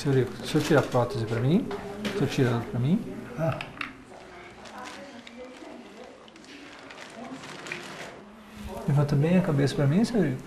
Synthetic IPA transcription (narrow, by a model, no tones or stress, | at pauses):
seoɾikʊsot͡ʃiɾapɾɔt̪ezɪpɾɐmĩsot͡ʃiɾad̪pɾɐmĩa | evɐ̃t̪ɐ̃mbẽj̃ɐkabesɐ̥pɾɐmĩseoɾikʊ